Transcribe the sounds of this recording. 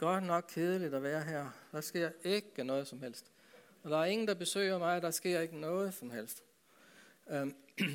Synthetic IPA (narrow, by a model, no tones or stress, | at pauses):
ɡ̥ɒ̽d̥nɒ̽ɡ̥̚kʰeð̞ˠəlid̥ɒʋæːɐɦæɐ̰d̥ɑ̈sɡ̥e̝ɐ̰e̝ɡ̥ənɔ̽ːð̞̩ˠsɒ̽mhel̰sd̥ | ɒ̽d̥ɑ̈æɐe̝ŋn̩d̥ɑ̈b̥e̝sø̰ːɪ̰ɐmɑ̈ɪd̥ɑ̈sɡ̥e̝ɐ̰e̝ɡ̥ənɔ̽ːð̞̩ˠsɒ̽mhel̰sd̥